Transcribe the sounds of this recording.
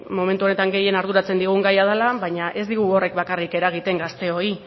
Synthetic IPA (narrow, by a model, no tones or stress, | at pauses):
mo̞me̞nt̪uo̞ne̞t̪aŋɡe̞je̞naɾðuɾat͡se̞nd̪iɣ̞uŋɡajað̞alaβajɲaʔe̞zd̪iɣ̞uo̞re̞kbakarike̞ɾaɣ̞it̪e̞ŋɡast̪e̞o̞i